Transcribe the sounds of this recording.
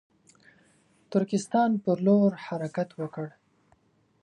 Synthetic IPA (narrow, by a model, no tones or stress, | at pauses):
t̪ʊɾkɪst̪ɑnpəɾloɾhaɾakat̪wəkəɽ